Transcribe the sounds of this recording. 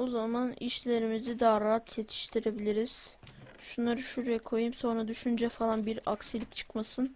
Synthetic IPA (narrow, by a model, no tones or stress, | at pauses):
ozamaniʃlʲe̞ɾimizid̪aːɾaɦat̪ʰjet̪ʰi̥ʃt̪ʰiɾe̞bilʲiɾiz̥ | ʃunlˠaɾɯʃuɾjɛkʰo̞jumso̞nɾad̪yʃynd͡ʒɛfalˠanbiɾaksilʲict͡ʃʰɯ̥kmasɯn